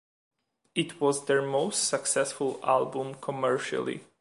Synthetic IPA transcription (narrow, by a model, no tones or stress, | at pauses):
ɪtʰwɔzðə˞moʊstsəksɛsfʊlˠa̰lˠbũmkʰɔmɛɹʃa̰lˠḭ